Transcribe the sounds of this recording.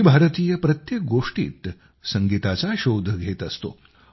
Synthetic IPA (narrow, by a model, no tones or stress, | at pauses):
ibʱaɾət̪iːjəpɾət̪jek̚ɡoʂʈḭːt̪ | səŋɡit̪at͡saɕod̪ʱəɡʱet̪əst̪o̰